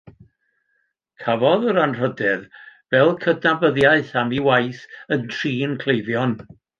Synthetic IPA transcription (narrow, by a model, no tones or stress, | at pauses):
kʰavɔðəɾanr̥ədɛðvɛlˠkʰədnabəðjaɨθamiwajθəntʰriːnkʰl̥ˠejðjɔn